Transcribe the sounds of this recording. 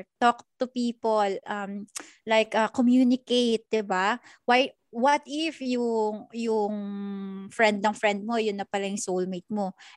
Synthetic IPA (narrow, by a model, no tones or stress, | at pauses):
t̪okt̪ʊpiːpolʔɐm | lajkʔɐkomjuːnɪkejt̪̚d̪ɪba | waj | wɐt̪ɪfjʊŋjʊŋ | fɹɛnd̪̚nɐŋfɹɛnd̪̚mo̞jʊnːɐpɐlɐjʊŋsowlmejt̪̚mo̞